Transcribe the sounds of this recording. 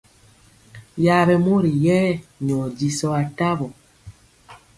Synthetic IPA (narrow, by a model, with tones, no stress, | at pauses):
ja˨˦βɛ˨mo˦ɾi˨jɛː˦ɲɔ˨d͡ʒi˨sɔ˦a˨ta˦βɔ˨